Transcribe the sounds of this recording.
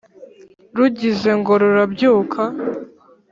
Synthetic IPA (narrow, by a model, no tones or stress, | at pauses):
ɾuɟize̞ŋɡo̞ɾoɾabɟuːkʰa